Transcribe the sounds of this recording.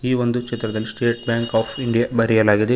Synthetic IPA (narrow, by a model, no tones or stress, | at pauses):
iːʋond̪ukt͡ʃit̪ːɾɐd̪ɐlːisʈeːʈ̚bjaːŋkaːpʰiɳɖijabɐɾijɐlaːɡid̪e